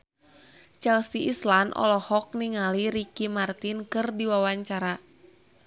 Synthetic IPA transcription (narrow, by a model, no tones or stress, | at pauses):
t͡ʃɛlsiʔislanʔɔ̰lɔhɔk̚niŋaliɾikimart̪inkɨrdiwawaɲt͡ʃaɾa